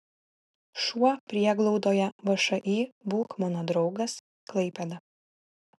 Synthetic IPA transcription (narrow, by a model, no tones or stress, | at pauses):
ʃuɔpʲɾʲiɛɡlˠɒʊd̪oːjɛʋɐʃɐʔiːbuːkmɔnod̪ɾɒʊɡɐs | klˠɐɪpʲɛd̪ɐ